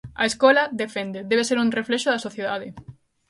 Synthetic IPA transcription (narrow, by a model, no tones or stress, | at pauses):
ɐ̰eskolɐðefẽnd̪eðeβ̞eseɾunrefleʃʊðɐsoθjeðað̞ɪ